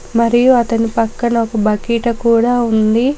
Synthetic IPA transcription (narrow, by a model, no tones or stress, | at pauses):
mɐɾijuɐt̪ɐnipɐkːɐnɐɔkɐbɐkiːʈɐkuːɽaːund̪i